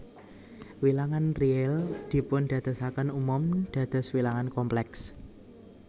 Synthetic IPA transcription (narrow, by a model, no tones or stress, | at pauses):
wilaŋanriɛld̪̥i̤pʊnɖ̥ä̤d̪̥ɔ̤sakənumʊmɖ̥ä̤d̪̥ɔ̤swilaŋankɔmplɛks